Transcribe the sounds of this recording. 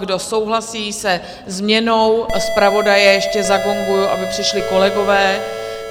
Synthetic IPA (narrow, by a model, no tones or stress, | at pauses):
ɡdo̞so̞wɦlasiːsɛ | zmɲɛno̞wspɾavo̞dajɛjɛʃcɛzaɡo̞ŋɡujuʔa̰bɪpr̥ɪʃlɪko̞lɛɡo̞vɛː